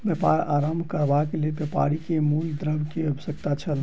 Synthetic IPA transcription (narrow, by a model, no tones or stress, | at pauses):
bjəpaɾaɾambʱkəɾbakelelbjəpa̰ɾikemuld̪ɾəbkeəbəsəkt̪at͡ʃʰəl